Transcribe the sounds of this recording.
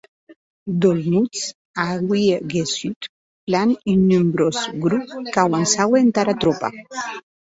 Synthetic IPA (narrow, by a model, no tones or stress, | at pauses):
d̪olnut͡s | aɣwieɡesyt̪ | planynːymbɾozɡɾupkawansawent̪aɾat̪ɾɔpa̰